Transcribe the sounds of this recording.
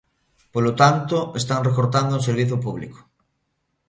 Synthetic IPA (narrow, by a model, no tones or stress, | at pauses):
polot̪ant̪oest̪aŋrekoɾt̪and̪ouseɾβ̞iθjop̬uβlḭko̥